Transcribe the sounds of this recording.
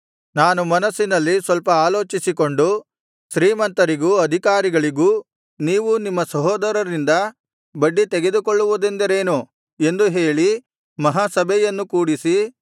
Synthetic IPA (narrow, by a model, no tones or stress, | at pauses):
naːnumɐnɐsːinɐlːisʋɐlpɐaːlo̞ːt͡ʃisiko̞ɳɖu | ʃɾiːmɐnt̪ɐɾiɡuːɐd̪ʱikaːɾiɡɐɭiɡuː | niːʋunimːɐsɐɦɔːd̪ɐɾɐɾind̪ɐ | bɐɖːit̪eɡe̞d̪ukoɭːuʋud̪end̪ɐɾe̞ːnu | e̞nd̪uɦe̞ːɭi | mɐɦaːsɐbʱɛjɐnːukuːɽisi